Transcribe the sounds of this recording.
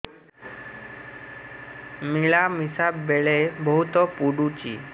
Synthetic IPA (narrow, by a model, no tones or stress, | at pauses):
miɭamisabbeɭebəɦut̪ɔpuɽut͡ɕḭː